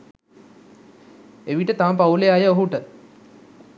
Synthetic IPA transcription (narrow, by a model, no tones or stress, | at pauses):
eʋiʈət̪ampauleajəoɦuʈə